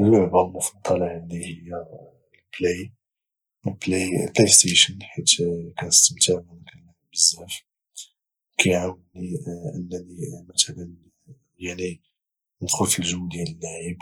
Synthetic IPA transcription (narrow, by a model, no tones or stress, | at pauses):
əlːʊʕbalmʊfɑd̪ˤːɑlɑʕənd̪ihəjːæ | lpli | əlplijpijst̪eʃənħit̪kænəst̪əmt̪aʕmænkælːaʕbəzːæf | kæjʕawəniʔə̰nːænimæt̪lən | jaʕni | nxʊlfilʒəwːd̪jælənːaʕib